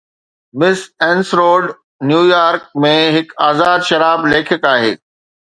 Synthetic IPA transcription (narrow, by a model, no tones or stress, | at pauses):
mɪsɛːnsɾoːɖ | njuːjaːɾk̚mẽɦɪkaːzaːd̪ʃɐɾaːbleːkʰɪkaːɦḛː